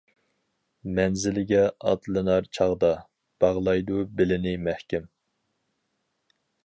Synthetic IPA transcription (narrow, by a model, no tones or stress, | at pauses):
mɛnzɪlɪɡʲɛɑ̰t̪lˠɨnɑɾt͡ʃʰɑʁd̪ɑ | b̥ɑʁlˠɑjd̪ubɪlɪnɪmɛhkʲɛm